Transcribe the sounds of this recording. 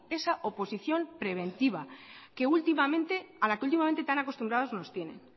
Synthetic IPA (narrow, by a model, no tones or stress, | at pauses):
e̞saʔo̞po̞siθjo̞mpɾe̞β̞ẽ̞nt̪iβ̞ake̞ult̪imamẽ̞nt̪ealakeult̪̬imament̪et̪anako̞st̪umbɾaðo̞zno̞st̪je̞ne̞̰n